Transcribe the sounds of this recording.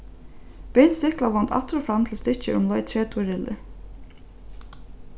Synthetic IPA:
pɛnsɪhklavɔnt̪ʰa̰t̪ɾɔfɾamt̪ʰɪlst̪ɪt͡ʃəɾʊmlɔjt̪ʰɾɛːt̪ʰuɾɪlɪ̰

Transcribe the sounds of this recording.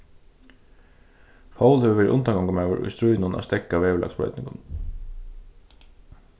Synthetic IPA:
fawlhɛʋəʋɛːɾɪ̰ʔʊnt̪aŋkɔŋkamaːʋə̰ɾʔʊ̰jst̪ɾujnʊna̰st̪ɛkːawɛːʋəɭa̰ksb̥ɾœ̰ʏt̪nɪŋkʊn

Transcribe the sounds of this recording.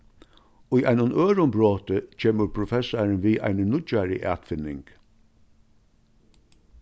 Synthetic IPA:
ʊjʔaɪnʊnʔøːɾʊmbɾoːt̪ət͡ɕʰeːməɾpʰɾʊfɛsaɹənʋiːʔa̰ɪnənʊt͡ʃaɾə̰ʔæ̰ːt̪fɪnɪŋk

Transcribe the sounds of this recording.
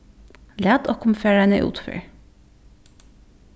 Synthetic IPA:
læːd̪ɔːkʊmfeːɹænə̰ʔṵːt̪fy̰ːɹ

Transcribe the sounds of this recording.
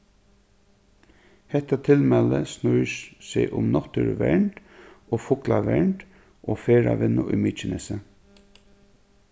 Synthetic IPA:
hɛt̪at̪ʰɪlmɛləsnɔʏsseːʔʊmnɔt̪əɹʋɛɹɳʈ | ʔoːfʊklaʋɛɹɳʈ | ʔoːfeːɹa̰ʋɪnʊʔʏmiːt͡ʃənəsə

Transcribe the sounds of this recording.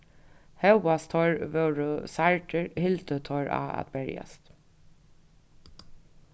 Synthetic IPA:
hœwast̪ʰɔɹʋœɹʊsaɹʈəɹhɪlt̪ət̪ʰɔɹa̰ːa̰t̪bɛɹja̰st̪

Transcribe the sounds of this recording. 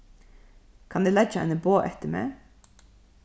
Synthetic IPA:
kʰɑnd̪eːlæt͡ʃəæ̰ɪnəboːʔɛt̪əmḛː

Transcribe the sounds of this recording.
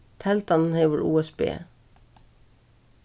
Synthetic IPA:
t̪ʰɛlt̪ɑnn̩heɪʋəɹṵːɛsbḛː

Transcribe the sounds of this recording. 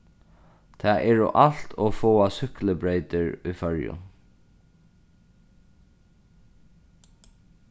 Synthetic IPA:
t̪ʰæːʔɛːɹʊ̰ʔal̥t̪ʰoːfoːasʏkləbɹeɪt̪ɪɹufœɹjʊ̰

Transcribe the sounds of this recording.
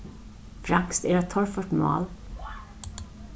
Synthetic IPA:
fɾɑŋkst̪eɾɑt̪ʰɔɹfɔʈmɑ̰ːl

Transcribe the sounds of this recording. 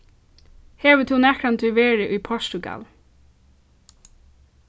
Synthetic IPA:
heːʋət̪ʰunɛkɾant̪ʰʏʋeːɹɪʔʊjpʰɔʂt̪ʊɡa̰l

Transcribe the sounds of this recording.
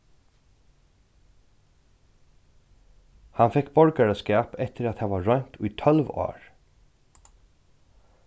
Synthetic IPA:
hɑnfɛkbɔɹɡəɹəskæːpɛt̪ʰəɾɑt̪heːʋɑːɹœʏnt̪ʰʉːiːt̪ʰɔlʋo̰ːɹ

